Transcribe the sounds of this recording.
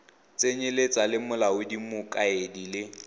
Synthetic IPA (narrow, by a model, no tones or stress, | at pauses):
t͡sʼeɲelet͡sʼalɪmʊlaʊdimʊkʼaedilɪ